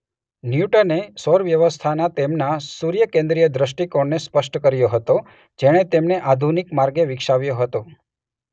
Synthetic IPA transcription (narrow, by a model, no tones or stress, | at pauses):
njuʈənesɔɾʋjəʋəst̪ʰanat̪emnasuɾjəkẽnd̪ɾijəd̪ɾəʃʈikoɳnespəʃʈəkəɾjoɦət̪o | d͡ʒeɽ̃et̪emneʔad̪ʱunikmaɾɡeʋɪkʃaʋjoɦət̪o